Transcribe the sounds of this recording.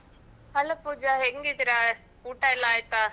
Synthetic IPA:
ɐlɐpuːd͡ʒaeŋɡit̪ɪɾa | uːʈːaːɛlãːjt̪ːaː

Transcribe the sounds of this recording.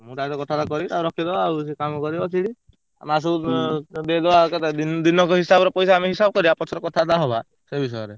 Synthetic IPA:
mũʈat̪ɔkɔt̪ʰad̪akɔɾit̪aɾɔkʰid̪ɔawsekamkɔɾibat͡ʃʰiɽi | a̰mas̬u | belɔakɔt̪ad̪ind̪inɔkɔɦisabɔɾɔpɔjsaamiɦisab̚kɔɾibapɔt͡ʃʰɔɾɔkɔt̪ʰad̪aɦɔba | sebʱis̬ɔjɔɾe

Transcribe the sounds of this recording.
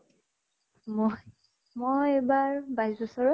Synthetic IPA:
m | mojebaɹbajzbɔsɔɹɔ

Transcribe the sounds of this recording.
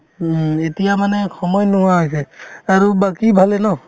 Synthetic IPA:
etijamanɛxɔmɔjnɔwaasɛaɹubakibʱalɛnɔ

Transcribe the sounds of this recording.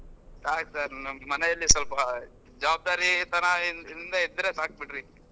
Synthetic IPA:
saːk̚saːɾɐmɐnɛɐlːisɐlpɐ | d͡ʒɐʋaːb̚d̪aːɾit̪ɐnainind̪ɐid̪ɐɾesaːk̚biʈɾi

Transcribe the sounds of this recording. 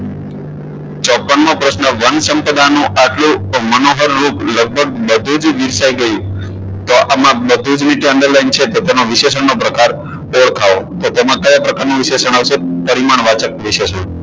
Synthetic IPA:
t͡ʃɔpːənmõpɾəsnəʋənsəmpəd̪anũʔaʈlũmənoɦəɾːupləɡ̚bʱəɡ̚bəd̪ʱud͡ʒʋiɾsaiɡəjũ | t̪oʔamãbəd̪ʱũd͡ʒniʈɛɳɖəɾlaint͡ʃʰet̪ot̪enoʋɪʃesəɳnopɾəkaɾ | oɭkʰaʋot̪ot̪emãkəjapɾəkaɾnũʋɪʃesəɳaʋʃepəɾimaɳʋat͡ʃək̚ʋɪʃesəɳ

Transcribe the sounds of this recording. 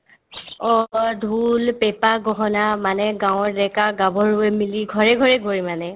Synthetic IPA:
ɔdʱulpɛpaɡɔɦɔnamanɛɡawɔɹdɛkaɡabɔɹuɛmiliɡʱɔɹɛɡʱɔɹɛɡʱoɹimanɛ

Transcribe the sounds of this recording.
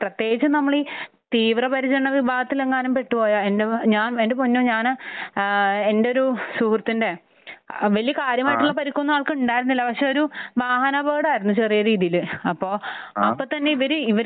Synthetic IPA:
prɐt̪ːje̞ːɡit͡ɕːɨnɐmːɐɭit̪iːʋrɐpɐɾit͡ɕːɐɐɳːɐʋibʱaːɡɐt̪ːileŋːaːnumpe̞ʈːupo̞ːjaendeɲaːnendepoɲːoːɲaːn | endeo̞ɾusuːkrt̪ːinde̞ | ʋɐlijɐkaːɾjɐmaːjiʈːuɭːɐpɐɾikʲːunːaːɭkɨuɳɖaːjiɾunːilːɐpɐkʂeoɾuʋaːɦɐnɐbeːɽaːjiɾunːut͡ɕerijɐɾiːðijilɨɐpːo̞ːɐpːot̪ɐnːe̞iʋɐɾuiʋɐɾ

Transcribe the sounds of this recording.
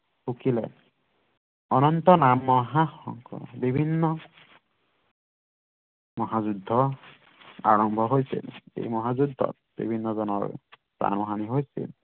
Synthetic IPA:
xukilɛ̰ | ɔnɔntɔnamːɔɦaxɔŋkɔ̰bibʱinːɔ | mɔɦazudʱːɔ | a̰ɹɔmbʱɔɦojsḭlḛjmɔɦazudʱːɔ̰t̚ | bḭbʱinːɔzɔnɔ̰ɹ | pɹa̰nɔɦaniɦojsḭl

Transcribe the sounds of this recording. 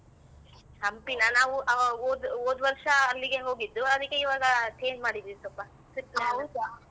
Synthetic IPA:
sɐmpinɐnaːʋuʔɐoːd̪oːd̪ʋɐɾʃɐːlːiɡeŋɡɦoːɡid̪ːuɐd̪ɐkːeiʋaːɡɐʈʰeːnd͡ʒmaːɽid̪iːʋisɔpːɐ | siʈːnaːu

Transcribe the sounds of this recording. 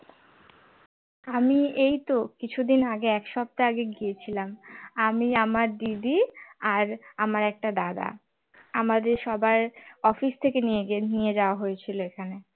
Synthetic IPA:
amiejt̪okit͡ɕʰud̪inaɡeɛkʃɔb̚t̪aaɡeɡijet͡ɕʰilamamiamaɾɖibiaɾamaɾɛk̚ʈad̪ad̪a̰ | amad̪eɾʃɔbajɔfist̪ʰekenijeɡnijed͡ʑaoaɦojet͡ɕʰiloekʰane

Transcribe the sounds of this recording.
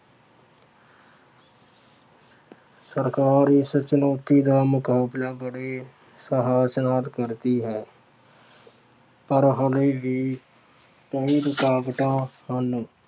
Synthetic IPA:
səɾkaːɾisət͡ʃɪnoːt̪id̪aːmʊkɦaːblabəɽe | səɦaːsnaːt̪kəɾt̪iɦɛː | pəɾɦəlebi | t̪əiɾʊkaːbʈãhən

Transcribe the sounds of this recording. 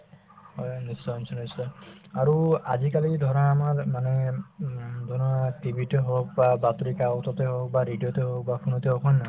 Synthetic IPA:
hɔjnisːɔnsʰɔnisɔaɹua̰zikalidʱɔɹãːmaɹmanɛ | dʱɔnɔatibʱiteɦɔk̚babatɹikaɔtɔtɛɦɔk̚baɹidijotɛɦok̚bapʰunɔtɛɦokʰɔnːa

